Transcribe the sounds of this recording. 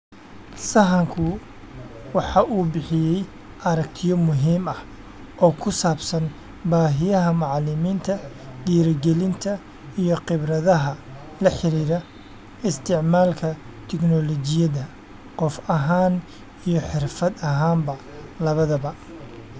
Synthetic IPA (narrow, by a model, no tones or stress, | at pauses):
sɐɦɐŋkʰʊ | wɑħɑʔuːbɪħɪjɛj | ʔɐɾɐk̚t̪ʰɪjɔmʊɦiːmɐh | ʔɔːkʰʊsaːbsɐn | baːɦɪjɐɦɐmɑʕlɪmiːnt̪ʰɐ | d̪iːɾɐɡɛlɪnt̪ʰɐ | ijɔqɪβɾɐðɐɦɐ | lɐħɪɾiːɾɐ | ɪst̪ʰɪʕmaːlkʰɐ | t̪ʰɛknɔlɔt͡ʃɪjɐðɐ | qɔfɐɦaːn | ijɔħɪrfɐd̪ɐɦaːmbɐ | lɐβɐðɐβɐ